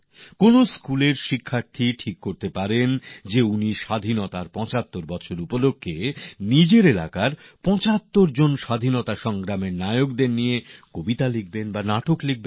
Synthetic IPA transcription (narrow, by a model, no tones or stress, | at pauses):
konoskuleɾʃikʰːaɾt̪ʰiʈʰikːoɾt̪epaɾend͡ʑeuniʃad̪ʱinot̪aɾpɔ̃t͡ɕat̪ːoɾbɔt͡ɕʰoɾupolokʰːenid͡ʑeɾelakaɾpɔ̃t͡ɕat̪ːoɾd͡ʑonʃad̪ʱinot̪aʃɔŋɡɾameɾnajokd̪eɾnijekobit̪alik̚benbanaʈoklik̚ben